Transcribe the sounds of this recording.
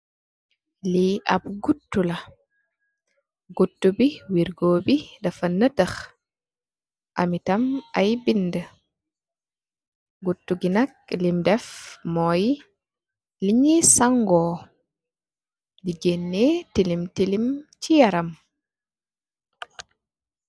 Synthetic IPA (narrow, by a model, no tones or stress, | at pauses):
liʔa̰bɡutːula | ɡutːubiwiɾɡoːbidɛfanːətax | ʔamitamʔajbində | ɡutːuɡinak̚limdɛfmɔj | liɲisaŋɡɔː | did͡ʒenːetilimtilimt͡ʃijaɾam